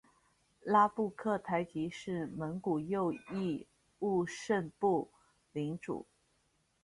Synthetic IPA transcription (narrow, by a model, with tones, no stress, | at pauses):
la˥pu˥˧kʰɤ˥˩t̪ʰa˧˥ɪt͡ɕi˧˥ʂɻ̩˥˩mə˧˥nku˨˩jo˥˧ʊi˥˧ | u˥˧ʂə˥˧npu˥˩ | li˧˥ŋʈ͡ʂṵ˨˩˦